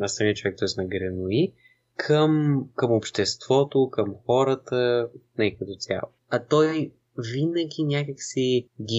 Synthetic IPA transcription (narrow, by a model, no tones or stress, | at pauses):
nɐsɐmiət͡ʃovɛk̚t̪ɔjsnɐɡɾɛnoi | kʰəmkəmopʃt̪ɛst̪v̥ɔt̪okəmxɔɾət̪ənɛkət̪ot̪sʲja̰lˠoɐt̪ɔj | vinəɡʲinʲakəksiɡʲi